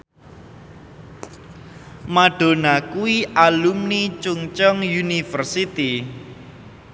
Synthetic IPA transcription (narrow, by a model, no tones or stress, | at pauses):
maɖ̥o̤nakuwiʔalumnit͡ʃuŋt͡ʃɔŋjunifərsit̪i